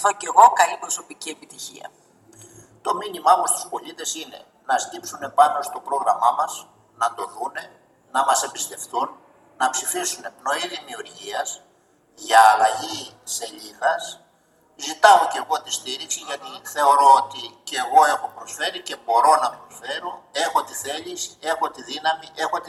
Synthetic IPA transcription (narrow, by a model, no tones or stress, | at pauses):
ɐðoce̞ɣo̞kɐlipɾo̞so̞picie̞pit̪içḭɐ̰ | t̪o̞minimɐomost̪u̥spo̞ʎit̪e̞sine̞̰ | nɐst̪ipsune̞pɐno̞st̪o̞pɾo̞ɣɾɐmɐmɐs | nɐt̪o̞ðune̞ | nɐmɐse̞bist̪e̞fθunː | ɐpsifisune̞pno̞iðimiuɾʝiɐs | ʝɐːlɐʝise̞ʎiɣɐs | zit̪ɐoce̞ɣo̞t̪ist̪iɾiksiʝɐt̪iθe̞o̞ɾo̞ot̪iceɣo̞e̞xo̞pɾo̞sfe̞ɾice̞bo̞ɾo̞nɐpɾo̞sfe̞ɾo̞e̞xo̞t̪iθe̞ʎise̞xo̞t̪iðinɐmiʔe̞xo̞t̪